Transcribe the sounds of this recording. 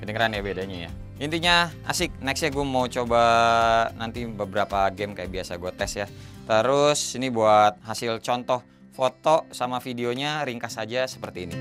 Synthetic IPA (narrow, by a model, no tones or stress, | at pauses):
kədəŋəɾanjabedaɲaja̰ | int̪iɲaa̰sɪk̚nɛksɲaɡuamaut͡ʃoba | nant̪ibəbəɾapaɡɛmkajaʔbiasaɡuat̪ɛsjat̪əɾʊsinibuat̪̚ɦasɪlt͡ʃɔnt̪ɔh | fot̪osamafideoɲaɾiŋkasad͡ʒasə̥pərt̪iːni